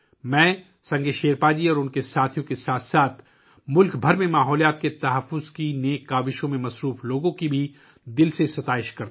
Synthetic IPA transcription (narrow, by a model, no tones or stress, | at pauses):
mɛ̃ː | sɐ̃ŋɡeʃeːɾpaːd͡ʒiɔːɾʊnkesaːt̪ʰijõkesaːt̪ʰsaːt̪ʰ | mʊlkbʱɐɾmẽmaːɦɔːlijaːt̪̚ket̪ɐɦəfːʊzkineːkːaːʋɪʃõmẽmɐsɾuːfloːɡõkibʱi | d̪ɪlsesɐt̪aːɪʃkɐɾt̪